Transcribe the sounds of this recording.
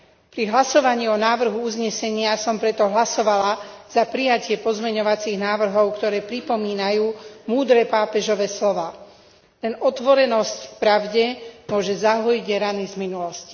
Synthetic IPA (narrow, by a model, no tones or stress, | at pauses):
pɾiɦlasɔʋaɲiːɔnaːʋr̩ɦuuzɲɛsɛɲɪasɔmpɾɛt̪ɔɦlasɔʋalaz̥apɾijacɪɛpɔzmɛɲɔʋat͡siɣnaːʋr̩ɦɔʊkt̪ɔɾɛːpɾipɔmiːnajuːmuːd̪ɾɛːpaːpɛʒɔʋɛːslɔʋaː | t̪ɛnɔt̪ʋɔɾɛnɔsckpɾaʊɟɛmʊɔʒɛzaɦɔjiɟɾanizminulɔsci̥